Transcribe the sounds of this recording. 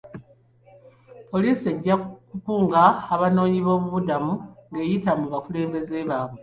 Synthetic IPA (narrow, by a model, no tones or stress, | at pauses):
po̞liːsie̞ɟːakupuːŋɡaːβano̞ːɲiβo̞ːβuβudamuŋɡe̞ːjitamuβakule̞ːmbe̞zeβaːβwe